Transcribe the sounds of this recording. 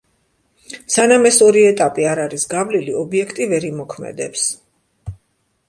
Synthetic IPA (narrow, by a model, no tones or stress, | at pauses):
sanamɛsɔɾiɛt̪ʼapʼiaɾaɾisɡavliliɔbiɛkʰt̪ʼivɛɾimɔkʰmɛ̰d̪ɛps